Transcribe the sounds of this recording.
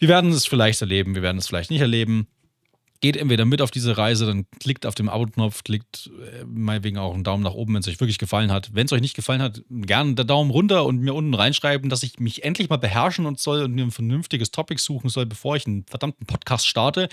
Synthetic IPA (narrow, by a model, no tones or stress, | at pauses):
v̥iːɐveːɐdn̩ɛsfɪɐlaɪçtɛɐleːbm̩viːɐveːɐdn̩ɛsfɪlaɪçtnɪçtɛɐleːbm̩ | ɡ̥eːtʔɛntv̥eːdɐmɪtaʊfd̥iːzəʁaɪzədankʰl̥ɪk̚taʊfd̥eːmʔa̰ːboknɔp͡fkl̥ɪk̚tɛmaɪnətveːɡŋ̩aʊxn̩daʊmnaːχʔoːbm̩vɛns̬ɔʏçv̥ɪɐklɪçɡ̥əfalənɦatvɛnsʔɔʏçnɪçt̚ɡ̥əfalənhatɡɛɐndeːɐdaʊmʁʊntɐʊntmiːɐʔʊntn̩ʁaɪnʃʁ̥aɪbm̩dasɪçmɪçʔɛntʰlɪçmaːlbəɦɛɐʃn̩ʊntz̥ɔlʊntmiːɐnfɛɐnʏnftɪɡəstʰɔpɪkz̥uːxn̩zɔlbəfoːɐɪçnfɛɐdamtn̩pʰɔtkʰaːstʃtaɐtə